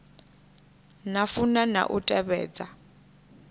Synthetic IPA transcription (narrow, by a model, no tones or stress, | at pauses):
nafunana̰ʔutʼɛβɛ̰ːd͡za